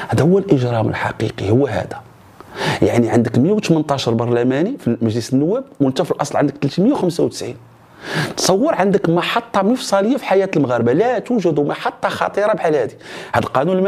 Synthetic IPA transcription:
hæd̪æhʊwːælʔəʒɾˤɑmə̰lħɑ̰qḭqihʊwːæɦæ̰d̪æ̥ | jaʕniʕənd̪əkməjawt̪mənt̪ˤɑʃəɾˤbɑɾˤlæmænifiməʒləsənːʊwːæb̚wənt̪æfilʔɑsˤlʕə̰nd̪ək̚t̪lt̪məjawxəmsawt̪ə̥sʕin | t̪sˤɑwːəɾˤʕənd̪əkmɑħɑt̪ˤːɑməfsˤɑləjːafi̥ħajæt̪əlməɣæɾəbalæt̪uwʒəd̪umɑħɑt̪ˤːɑxɑ̰t̪ˤiɾˤɑbħalhæd̪ihæd̪əlqɑnunlm

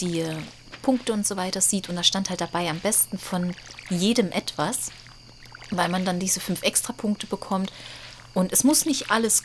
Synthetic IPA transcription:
d̥iː | pʰʊŋktəʊntz̥oːvaɪtɐziːtʊntd̥aːʃtanthaltd̥abaɪambɛstn̩fɔnjeːdəmʔɛtv̥as | vaɪlmandandiːzəfʏnfʔɛkstʁ̥apʰʊŋk̚təbəkʰɔmt | ʔʊntɛsmʊsnɪçtʔaləs

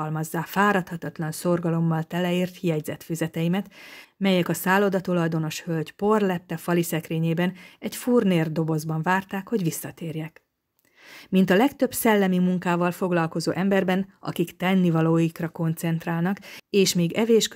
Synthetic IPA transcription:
lmɒzːaːfaːɾɒt̪hɒt̪ɒt̪lɒnso̞rɡɒlo̞mːɒlt̪ɛlɛiːrt̪hijɛɟzɛt̪fyzɛt̪ɛimɛt̪mɛjɛkɒsaːlo̞d̪ɒt̪olɒd̪o̞no̞ʃhølɟpo̞rlɛt̪ːɛfɒlisɛkreːɲeːbɛnɛcfurneːrd̪o̞bo̞zbɒɱvaːrt̪aːkho̞ɟʋisːɒt̪eːrjɛk | mint̪ɒlɛkt̪ø̞bsɛlːɛmimuŋkaːvɒlfo̞ɡlɒlko̞zo̰ːʔɛmbɛrbɛnɒ̰kikt̪ɛnːivɒloːjikrɒko̞nt̪sɛnt̪raːlnɒkeːʃmeːɡɛveːʃk

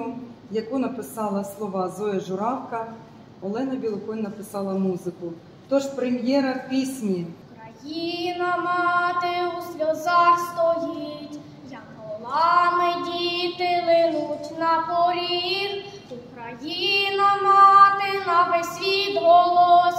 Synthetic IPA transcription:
ʊjɐkunɐpɪsɑlˠɐslˠɔʋɑzɔɛʒʊɾɑwkɐ | ɔlˠɛnɐbʲilˠʊkɔnʲnɐpɪsɑlˠɐmuzɪkʊ | t̪ɔʃpɾemjɛɾɐwpʲisʲnʲikɾɐjinɐmɑt̪ɪusʲlʲɔzɑxst̪ɔjitʲ | jɐkɔlˠɑmɪdʲit̪ɪlˠɪnutʲnɐpɔɾʲin | ukɾɐjinɐmɑt̪ɪnɐbesʲʋʲid̪ʋɔlˠɔ

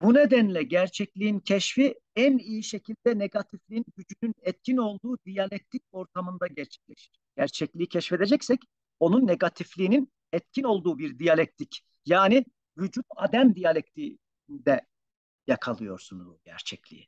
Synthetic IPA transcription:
buned̪ænlʲɛɟæɾt͡ʃʰɛclʲijincʰɛʃfi | ænijiʃecʰilʲd̪ɛneɡat̪ʰiflʲiinɟyd͡ʒynynɛt̪̚cʰino̞lˠd̪uːd̪ijalʲɛk̚t̪ʰic̚o̞ɾt̪ʰamɯnd̪aɟɛɾt͡ʃʰɛ̥cʲlʲeʃi̥ɾ̥ɟ̥æɾt͡ʃʰɛclʲiicʰɛʃfed̪ed͡ʒɛcsɛc | o̞nunːe̞ɡat̪ʰiflʲiːnin | ɛt̪̚cʰino̞lˠd̪uːbiɾd̪ijalʲɛk̚t̪ʰic | jaːni | vyd͡ʒut̪ad̪æmd̪ijalʲɛc̚t̪ʰi | nd̪ɛ | jakʰalˠɯjo̞ɾsunbṵɟæ̰ɾt͡ʃʰɛclʲḭḭ

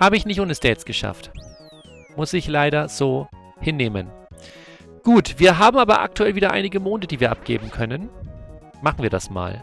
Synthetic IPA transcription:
haːbəɪçnɪçtʔoːnəsd̥ɛːsɡ̥əʃa̰ft | mʊsɪçlaɪɾɐz̥oː | hɪnːeːmə̰n | ɡ̥uːtv̥iːɐɦaːbm̩ʔaːbɐʔa̰k̚tʰuɛlviːdɐʔa̰ɪnɪɡəmoːndədiːviːɐʔa̰p̚ɡ̥ḛːbm̩kʰœnən | maχn̩viːɐɾa̰sma̰ːl

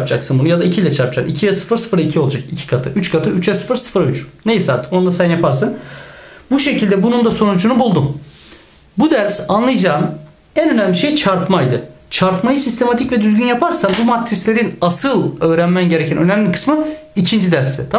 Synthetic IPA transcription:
pd͡ʒaksɯnbunujad̪aicʰilʲɛt͡ʃʰaɾpd͡ʒa̰nicʰijasɯ̥fɯɾsɯ̥fɯɾaicʰio̞lˠad͡ʒakicʰi̥kʰat̪ʰɯʔyt͡ʃkʰat̪ʰɯyt͡ʃjasɯ̥fɯɾsɯ̥fɯɾayt͡ʃne̞jisaːɾt̪ʰɯ̥ko̞nd̪asænjapʰaɾsɯn | buʃe̞cʰilʲd̪ɛbunund̪aso̞nud͡ʒunubulˠd̪um | bud̪æɾsanlˠajɯd͡ʒaːm | ænø̞næmlʲiʃe̞jt͡ʃʰaɾpmajd̪ɯ | t͡ʃʰaɾpmajɯsist̪ʰe̞mat̪ʰicvɛd̪yzɡʲynjapʰaɾsanbumat̪ʰːɾislʲe̞ɾinasɯlˠø̞ːɾænmænɟe̞ɾecʰænø̞næmlʲikʰɯ̥smɯicʰind͡ʒid̪æɾst̪ɛt̪ʰa

